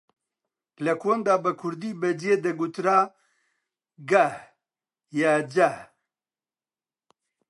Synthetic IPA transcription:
lɐkʰond̪aːbɐkʰʊɾd̪iːbɐd͡ʒeːd̪ɐɡut̪ɾaː | ɡɐh | jaːd͡ʒɐh

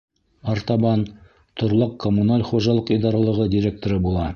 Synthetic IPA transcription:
ɑɾt̪ɑβɑn | t̪ʰŏɾlˠɤqkːomunalʲχuʒɑlˠɤqijd̪ɑɾɑlˠɤ̆ʁɤdʲiɾʲek̚t̪oɾɤbulˠɑ

